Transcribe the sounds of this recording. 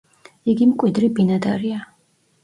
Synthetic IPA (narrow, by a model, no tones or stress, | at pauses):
iɡimkʼwid̪ɾibinad̪aɾia